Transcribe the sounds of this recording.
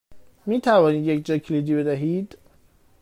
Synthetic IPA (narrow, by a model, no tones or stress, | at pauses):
miːt̪ʰævɒːniːd̪jecd͡ʒɒːcʰeliːd̪iːbe̞d̪æɦiːd̪̥